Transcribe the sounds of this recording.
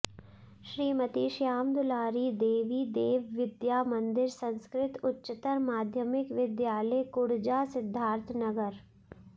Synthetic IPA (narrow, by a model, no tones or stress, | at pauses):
ʃɾiːmət̪iːʃjaːmd̪ʊlaːɾiːd̪eːʋiːd̪eːʋːɪd̪jaːmɐ̃nd̪ɪɾsɐ̃nskɾɪt̪ʊtːʃɪt̪əɾmaːd̪ʱjəmɪkʋɪd̪jaːləjkʊɽd͡ʒaːsɪd̪ʱːaːɾt̪ʰnɐɡəɾ